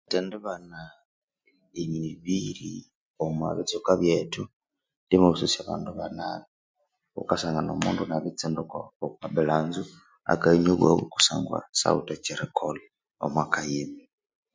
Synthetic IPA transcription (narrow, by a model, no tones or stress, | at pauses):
tinduβana | iɲiβiɾi | omwa̰βit͡sukaβjetʰu | ndimuβususiaβa̰ːnduβana | ṵkasaŋɡano̰muːndunaβit͡sindukookaβilaːnzu | a̰kaiɲoβwaβuku̥saːŋɡwa̰sa̰utat͡ʃiɾekʰoli | o̰mwakajimi